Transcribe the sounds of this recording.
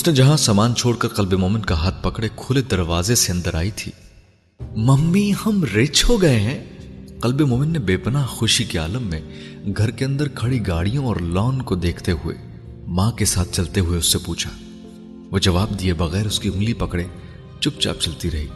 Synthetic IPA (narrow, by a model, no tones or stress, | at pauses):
ʊsned͡ʒɐɦãsaːmaːnt͡ʃʰoːɽkɐɾqɐlbemoːmɪnkaɦaːt̪̚ʰpɐkɽekʰʊled̪ɐɾʋaːzeseɐ̃nd̪əɾʔa̰ːit̪ʰḭː | mɐmːihɐmɾeːt͡ʃɦoɡɐeɦɛ̃ːqɐlbemoːmɪnːebeːpənaːɦxʊʃikea̰ːləmːẽ | ɡʱɐɾkeɐ̃nd̪əɾkʰɐɽiɡaːɽijõɔːɾlɔːnkod̪eːkʰt̪eɦʊḛ | mãːkesaːt̪̚ʰt͡ʃɐlt̪eɦʊeʊsːepuːt͡ʃʰa̰ː | ʋoːd͡ʒɐʋaːb̚d̪iebɐɣɛːɾʊskiʊ̃ŋɡlipɐkɽe | t͡ʃʊp̚t͡ʃa̰ːp̚t͡ʃɐlt̪iɾɐɦiː